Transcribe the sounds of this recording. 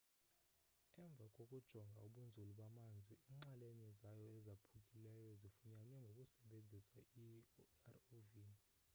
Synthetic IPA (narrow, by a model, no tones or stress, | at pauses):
ɛɱb̪vʱakʼokʼud̥ʒ̥ʱɔŋɡʱauɓund͡zʱuluɓamand͡zʱiiːŋ͡ǁalɛɲɛzajɔɛzapʰukʼilɛjɔzifuɲanwɛŋɡʱokʼusɛɓend͡zʱisairovi